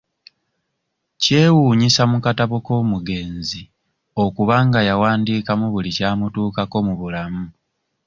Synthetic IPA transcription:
ce̞ːwuːɲisamukataβoko̞ːmuɡe̞ːnzi | o̞kuβaŋɡajawaːndiːkamuβulicaːmutuːkako̞muβulamu

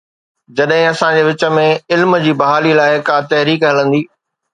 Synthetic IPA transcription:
d͡ʑɐɗɦɪ̃ɐsãd͡ʑeːʋɪt͡ɕə̆mẽɪlmd͡ʑiːbɐɦaːlilaːɪkaːt̪ɐɦɾiːkɦɪlə̃nd̪iː

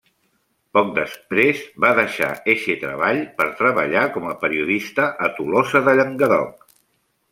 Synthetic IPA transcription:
pɔk̚d̪əspɾezβaðəʃa̰eʃet̪ɾə̰βaʎpəɾt̪ɾəβə̰ʎakɔməpəɾiuðist̪əʔːt̪ulɔzəðəʎəŋɡəðɔ̰k̚

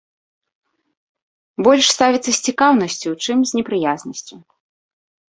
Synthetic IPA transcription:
bɔlʲʂst̪avʲit̪sɐsʲt͡sʲikawnɐsʲt͡sʲut͡ʂɨmzʲnʲɛpɾɨjaznɐsʲt͡sʲu

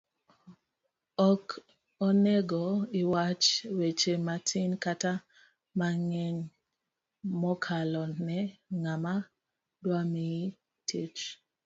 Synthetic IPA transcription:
ɔk | ɔnɛɡɔɪwat͡ʃwet͡ʃematʰinkata | maŋɛɲ | mɔkʰalɔnɛŋama | dwami | tʰet͡ʃ

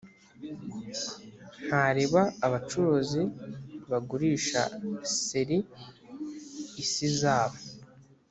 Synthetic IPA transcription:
haɾiβaːβat͡ʃuɾuziβaɡuɾiːʃa̰siɾi | sizaːβo

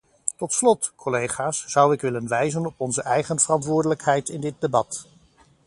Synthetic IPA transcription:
tɔtslɔtkʰɔlejχaːsz̥ʌwɪkʋɪlənʋɛjzənɔpɔnzəʔɛjχənv̥ərɑntʋʊːɹdələkɦɛjtɪndɪt̚debɑt

